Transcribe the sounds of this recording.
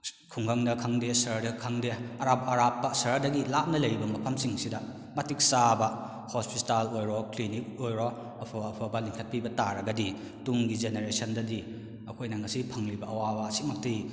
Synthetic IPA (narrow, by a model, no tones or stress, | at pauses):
kʰuŋɡɐŋdɐkʰɐŋdesɐɾdɐkʰɐŋdeɐɾap̚ɐɾapːɐsɐɾdɐɡilap̚nɐlɐjbɐmɐpʰɐmsiŋsidɐ | mɐtik̚sabɐ | hospitalojɾoklinik̚ojɾo | ɐpʰɐːpʰɐbɐliŋkʰɐt̚pibɐtaɾɐɡɐdi | tuŋɡizeneɾesɐndɐdi | ɐkʰojnɐŋɐsipʰɐŋlibɐʔɐwabɐɐsik̚mɐk̚tɐj